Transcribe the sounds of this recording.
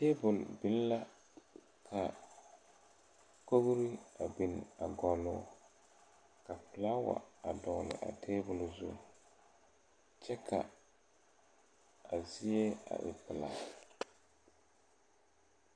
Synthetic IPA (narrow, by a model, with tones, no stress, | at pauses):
teː˦bʊ˨lbɪ˨˦lla˦ | kʰa˨ | ko˦ɣɾi˦a˨bɪ˨n˨a˨ɡɔ˨lʊː˦˨˦ | ka˨pɪ˨la˦wa̰˨a˨dɔ˨ɣlɪ̰˨ʔa̰˨tʰeː˦bʊ˨lzʊ̰˦ | t͡ʃɛ˦kʰa˨ | a˨zi˦e˦a̰˨ʔɪ̰˨pɪ˨la̰˨